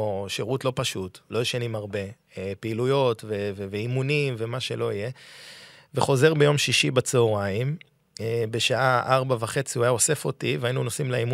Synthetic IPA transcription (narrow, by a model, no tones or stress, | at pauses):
ʃeʁutlo̞paʃutlo̞jeʃanimaʁbe̞ | epeilujo̞tveveveimunimve̞maʃelo̞ije | veχo̞ze̞ʁbe̞jo̞mʃiʃibat͡seoʁaim | ebe̞ʃaʔaʔaʁbavaχe̞t͡siuajaose̞fo̞tiveainuno̞simlaimu